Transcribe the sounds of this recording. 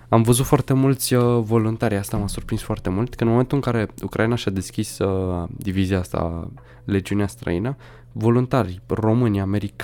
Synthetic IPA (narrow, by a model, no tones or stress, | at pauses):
amvəzut̪foart̪e̞mult̪sʲvo̞lunt̪aɾʲjast̪amasurpɾinsfoart̪e̞mult̪kəɨnmoment̪ulɨŋkaɾe̞ukɾʔainaʃad̪e̞skʲisd̪iviziast̪a̰ | le̞d͡ʒiuneast̪ɾə̰inə | vo̞lunt̪arʲro̞mɨnʲame̞ɾik